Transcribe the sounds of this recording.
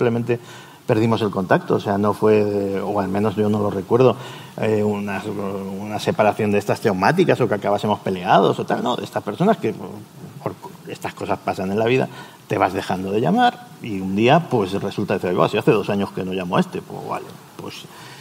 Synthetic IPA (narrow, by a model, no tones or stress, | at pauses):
imple̞mẽnt̪e̞ | pe̞ɾð̞imo̞selko̞nt̪ak̚t̪o̞ːseano̞fwe̞ðeoalmẽno̞zʝo̞no̞lo̞re̞kwe̞ɾð̞o̞ | eunasunase̞paɾaθjo̞nd̪est̪ast̪ewmat̪ikaso̞keakaβase̞mo̞spe̞le̞að̞o̞sot̪alno̞ðest̪aspe̞ɾso̞naske̞ | poɾest̪asko̞saspasanẽ̞nlaβiða̰ | t̪e̞β̞azðe̞xand̪o̞ðe̞ʎamaɾ | iund̪iapwe̞sre̞sult̪aðiθiɾajβa̰siaθe̞ðo̞saɲo̞ske̞no̞ʝamoest̪e̞po̰βa̰ʎo̰pwe̞̰s